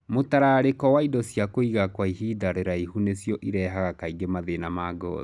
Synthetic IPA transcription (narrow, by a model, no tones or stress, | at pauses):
motaɾaɾekɔwaidɔsjakoiɣakwaiɦidaɾeɾaihunesjɔʔiɾɛɦaɣakaiɡemaðenamaɡɔ̰ː